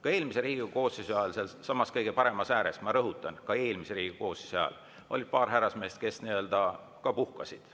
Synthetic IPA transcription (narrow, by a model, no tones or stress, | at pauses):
kɑe̞ːlmiseɾiːɡɡuko̞ːsisɑlselsɑmɑskɤjɡ̥e̞pɑɾe̞mɑsæːɾesmɑɾɤɦut̪ːˑɑnkɑe̞ːlmiseɾiːkuko̞ːsi̥soɑ̰l | o̞lid̪̥̚pɑːrɦæɾɑsme̞ːst̪̚ke̞sniø̞ld̪̥ɑ | kɑpuhkɑsid̪̥